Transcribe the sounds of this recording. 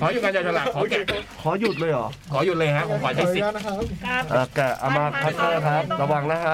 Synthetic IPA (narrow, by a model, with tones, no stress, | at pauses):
kʰɔː˨˦ju˨˩kaː˧jaː˧˩tʰa˧laː˨˩kʰɔː˨˦kɛ˨˩kʰɔː˩˦ju˨˩lɤː˧jʔɔː˨˩kʰɔː˩˦ju˨˩t̪̚lɤː˧jkʰa˦˥ʔʰo˩˦kʰɔː˨˦t͡ɕʰa˥˩si˨˩˦ʔaː˨˩kɛ˨˩ʔa˧maː˧pʰa˦˥t̪̚t̪ɤː˧˩kʰɾa˦˥p̚ɾa˧waː˨˩ŋna˦˥kʰa˦˥